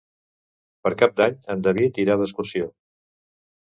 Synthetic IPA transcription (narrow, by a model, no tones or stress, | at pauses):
pəɾkap̚d̪aɲənd̪əβit̪iɾaðəskuɾsio